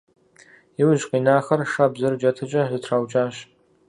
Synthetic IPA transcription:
iwʒqʼiːnaːχɐrʂabzɨrd͡ʒɐtʰɨt͡ʃʼɐzɨtʰrawt͡ʃʼaːʃ

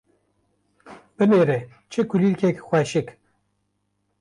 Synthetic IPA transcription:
b̥ɨneːɾe | t͡ʃʰɨkuliɾkʰekxʷɛʃɪk

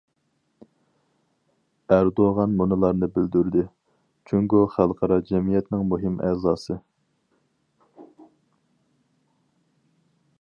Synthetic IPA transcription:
æɾd̪oʁɑnmunɨlˠɑɾnɨbɪld̪yɾd̪ɪ | t͡ʃʰyŋkʲyχælˠqʰɑɾɑd͡ʒɛmijɛt̪nɪŋmuɦɪmɛzɑːsɨ

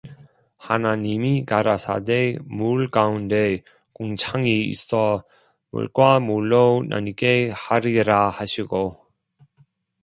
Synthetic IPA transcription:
hanaɲimikaɾasʰa̰demuɭkaunde̞ | koŋt͡ɕʰaŋiḭs͈ʌ | mṵɭɡwamuɭːona̰ɲiɡehaɾiɾahaɕʰiɡo

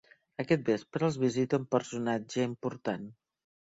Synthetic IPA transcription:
əkɛt̪̚bespɾəəlˠzβizit̪əumpəɾsunad͡ʒəimpuɾt̪an

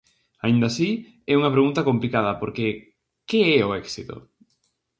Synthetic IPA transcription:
aind̪asi | ɛuŋɐpɾeɣunt̪ɐkomplikað̞ɐpoɾke | keɛʊɛksit̪o̰

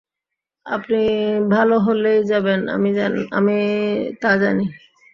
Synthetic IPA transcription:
a̰pnibʱaloɦolejd͡ʑabena̰miaa̰mit̪ad͡ʑani

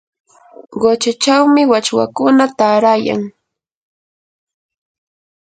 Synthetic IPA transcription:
ɢot͡ʃat͡ʃawmɪwat͡ʃwa̰kʊnat̪aɾaja̰ŋ

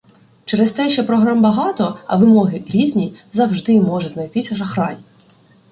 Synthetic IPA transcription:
t͡ʃɛɾɛst̪ɛʃt͡ʃɛpɾɔɦɾɑmbɐɦɑt̪ɔɐ̰ʋɪmɔɦɪɾʲizʲnʲizɐwʒd̪ɪmɔʒɛznɐjt̪ɪsʲɐʒɐxɾɑji

